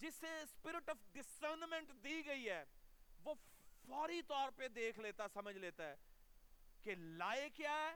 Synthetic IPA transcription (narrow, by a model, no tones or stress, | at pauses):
d͡ʒɪsːespɪɾɪʈɔːfɖɪsəɾnmɛ̃ɳʈd̪iːɡɐiɦɛːʋoːfɔːɾit̪ɔːɾped̪eːkʰleːt̪asɐməd͡ʒʱleːt̪aɦɛː | kelaːekjaːɦɛː